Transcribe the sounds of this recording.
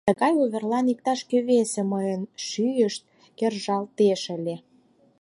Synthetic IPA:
t̪əɣɑjuβʲerlɑnik̚t̪ɑʃkøβeseməjənʃyjəʃt̪̚ | kerʒɑlt̪eʃə̆lʲe

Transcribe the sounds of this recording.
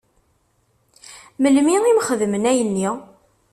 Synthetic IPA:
məlmiimχəðmənæjənːi

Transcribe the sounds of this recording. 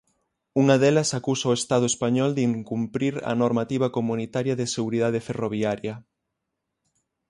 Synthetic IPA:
uŋɐðɛlɐsakusɐʊest̪að̞ʊespaɲɔld̪iŋkumpɾiɾɐ̰noɾmat̪iβ̞ɐkomunit̪aɾjɐðɪseɣuɾiðað̞ɪferoβ̞iaɾjɐ

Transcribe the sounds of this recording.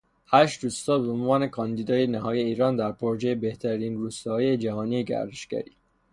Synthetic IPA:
hæːʃt̪ɾuːst̪ɒːbeonvɒːne̞kʰɒnd̪iːd̪ɒːjenæɦɒːjeiːɾɒːnd̪æɾpʰoɾod͡ʒejebeht̪ʰæɾiːnɾuːst̪ɒːijed͡ʒæhɒːniːeɡæ̰ɾd̪eʃɡ̥æ̰ɾiː

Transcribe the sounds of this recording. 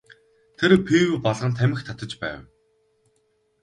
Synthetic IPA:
t̪ʰeɾpʰiwpɔɮʁə̆nt̪ʰæmɪ̆xt̪ʰat̪ə̆t͡ɕpæ̰ːw

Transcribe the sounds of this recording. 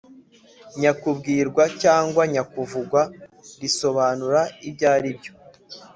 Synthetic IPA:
ɲakubɡiːɾɡwacaːŋɡwaɲakuvuɡwaɾiso̞βaːnuɾaibɟaːɾibɟo

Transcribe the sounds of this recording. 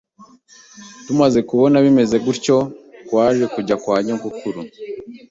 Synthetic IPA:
tumaze̞kuβo̞naβime̞ze̞ɡuɾco̞kwaːʒe̞kuɟakwaːɟeŋkukʰuɾu

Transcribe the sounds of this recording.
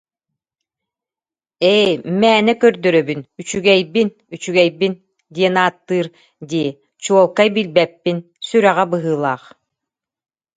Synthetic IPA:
ɛjmæːnɛkœɾd̪œɾœbynyt͡ɕyɡɛjbin | yt͡ɕyɡɛjbin | d̪iɛnaːt̪ːɯːɾ | d̪iː | t͡ɕuɔlˠkajbilbɛpːin | syɾɛʁɛbɯɦɯːlˠaːχ

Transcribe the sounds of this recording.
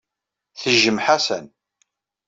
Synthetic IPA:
θəʒːəmħasən

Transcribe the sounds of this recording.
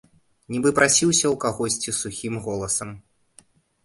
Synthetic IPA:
nʲibɨpɾʔasʲiwsʲɐwkaɣɔsʲt͡sʲisuxʲimɣɔlˠɐsɐm

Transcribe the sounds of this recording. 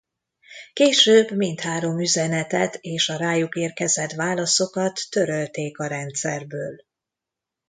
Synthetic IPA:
keːʃøːbmint̪haːɾo̞myzɛnɛt̪ɛt̪eːʃɒɾaːjukeːrkɛzɛt̪ʋaːlɒso̞kɒt̪ːøɾølt̪eːkɒɾɛnt̪sɛrbøːl

